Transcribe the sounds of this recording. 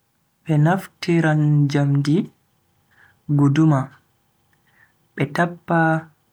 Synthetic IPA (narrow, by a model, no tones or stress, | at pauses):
ɓɛnaftiɾand͡ʒamdi | ɡoduma | ɓɛtapːa